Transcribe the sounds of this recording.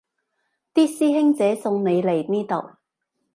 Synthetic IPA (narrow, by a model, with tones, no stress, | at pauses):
t̪iː˥siː˥ɦɪ˥ŋt͡sɛː˨˥sʊ˧ŋne˨˧jle˨˩jniː˥t̪o˨˩w